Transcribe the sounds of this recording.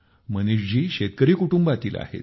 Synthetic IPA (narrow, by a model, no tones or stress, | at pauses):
mənuʂd͡ʑiːɕet̪̚kəɾiːkuʈumbat̪iːla̰hḛt̪